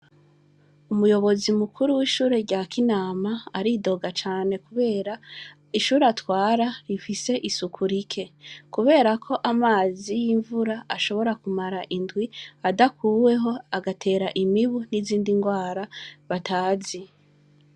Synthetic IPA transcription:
umujo̞βo̞zimukuɾuwiːʃuːɾe̞ɾɟaːkinaːmaːɾido̞ɡat͡ʃaːne̞kuβe̞ːɾa | iʃuːɾatwaːɾaɾifise̞ʔisukʰuɾikʰe̞kuβe̞ːɾakʰo̞ʔamaːzijiːɱvuɾaaʃo̞βo̞ɾakumaɾaʔindwiadakʰuːwe̞ɦo̞aɡatʰe̞ːɾaʔimiβuniziːndiŋɡwaːɾaβataːzi

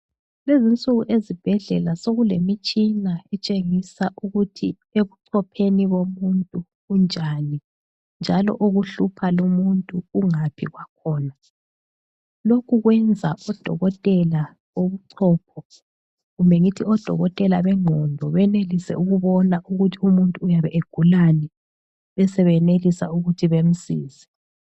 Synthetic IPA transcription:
lezint͡sʼuɣuʔezib̥ʱɛɮɛlasoɣulemit͡ʃʼinaɛt͡ʃʼeŋisaʔuɣutʰi | eβuǀʰɔpʰeniβomuntʼuː | nd͡ʒʱani | nd͡ʒʱalɔ̰ʔoɣuɬupʰalumuntʼuːŋapʰiɣwakʰɔːna | lokʰuɣwɛnd͡zʱaʔɔd̥ʱɔ̰ɣɔtʼɛla | oβuǀʰɔːpʰɔ | ɣumbʱɛŋitʰiɔd̥ʱɔ̰ɣɔtʼɛlaβɛŋ͡ǃʱɔndʱɔβɛnelisɛ̰uɣuβɔnaʔuɣutʰiumuntʼuːjaβɛʔeɡ̥ʱulanɛ | βɛsɛβɛnelisauɣutʰiβem̩siːzɛ̥

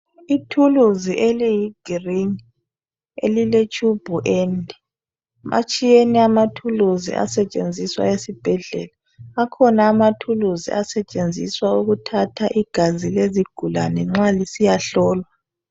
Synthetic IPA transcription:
itʰuluziʔelijiɡ̥ʱiriŋ | ḛlilet͡ʃʼub̥ʱuʔɛndʱi | mʔa̰t͡ʃʼijeniamatʰuluzḭʔa̰sɛt͡ʃʼḛnd͡zʱiswa̰esib̥ʱɛɮɛ̰laː | kʰɔnaːmatʰuluzḭʔasɛt͡ʃʼend͡zʱiswauɣutʰatʰaʔiɡ̥ʱazileziɡ̥ʱula̰nɛŋ͡ǁalisijaɬɔːlwa

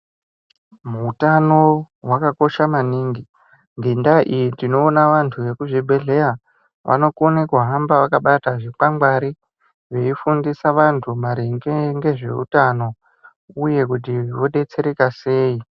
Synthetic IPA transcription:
muːtano̞ | wakako̞ʃamaniːŋɡi | ndindaʔijitino̞ːnaʋantʰuʋe̞kuʐibʱe̞ɮe̞ɾa | ʋʔa̰no̞konekuɦambaʋakaɓataʐikaŋɡwaɾi | ʋe̞ifundisaʋantʰumaɾiŋɡeŋɡe̞ʐe̞̰ṵtano̞ | uje̞k̬ut̬iʋo̞ɗe̞t͡se̞ɾekase̞ːi

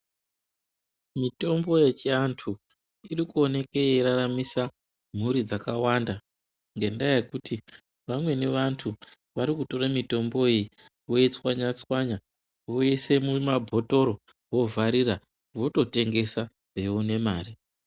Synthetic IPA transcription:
mito̞mbo̞je̞t͡ʃiantʰu | irikuo̞ne̞keiɾaramisa | m̤uɾid͡zakawanda | ŋɡe̞ndajekuti | ʋamwe̞ne̞ʋantʰu | ʋaɾikuto̞ɾamito̞mbo̞e | wojet͡swaɲat͡swaɲa | woese̞mumabʱo̞to̞ɾo̞ | wo̞vʱaɾira | ʋo̞to̞te̞ŋɡe̞sa | e̞une̞maːri

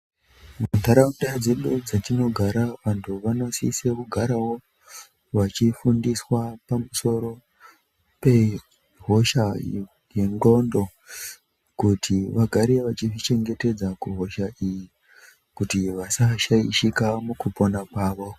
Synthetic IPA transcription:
muntaɾaundad͡zeɗud͡zatino̞ɡʱaɾaʋantʰuʋano̞sḭsekuɡʱaɾawo̞ | ʋat͡ʃifundiswapamuso̞ɾo̞ | pe̞ | ɦo̞ʃa | je̞ŋɡo̞ndo̞ | kutʰiʋaɡʱaɾeʋat͡ʃivit͡ʃe̞ŋɡe̞te̞d͡zakuɦo̞ʃaʔiji | kutiʋasaʃaiʃikamukupo̞nakwaːʋo̞

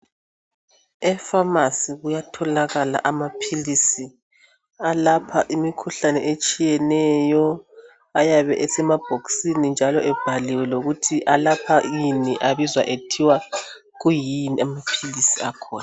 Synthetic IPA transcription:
ɛfamasiɣujatʰɔlaɣala̰ʔamapʰilisi | alapʰaʔimikʰuɬanɛʔet͡ʃʼijɛnɛjɔ | ajaβɛ̰ʔɛsɛmab̥ʱoksinind͡ʒʱalɔʔɛb̥ʱaliwɛlouɣutʰiʔalapʰajiniʔaβizwa̰ʔetʰiwa | ɣujiniamapʰilisiakʰɔːna

